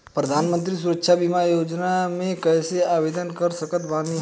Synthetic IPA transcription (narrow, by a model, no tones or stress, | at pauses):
pɾəd̪ʱaːnmə̃nt̪ɾisuɾəkʃʰabimajod͡ʒnamẽkɛjseabed̪ənkəɾsəkət̪bani